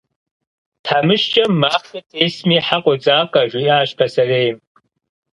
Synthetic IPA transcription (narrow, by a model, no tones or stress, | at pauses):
tʰħamɨʃt͡ʃʼɐmːaːχɐtʰeːsmiħaqʷʼɔd͡zaːkʼɐʒʷujaːʃtʰɐsɐreːjm